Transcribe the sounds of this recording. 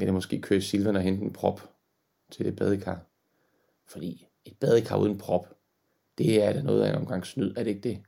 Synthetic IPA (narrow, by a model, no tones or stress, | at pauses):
ʋed̥emɒ̽sɡ̥e̝̰ːkʰø̰ːɐsilʋænəɒɦen̰d̥enpʰʁɒb̥ | t͡sʰe̝ld̥eb̥ɛð̞ˠəkʰɑ̰̈ː | fɒ̽d̥ḭː | e̝d̥̚b̥ɛðˠəkʰɑ̈ːuðˠnpʰʁɒ̽b̥ | d̥e̝æɐd̥ænɔ̽ːð̩ˠæenɒ̽mɡ̥ɑ̈ŋ̰snyð̰ˠæɐɾe̝e̝ɡ̥̚d̥e̝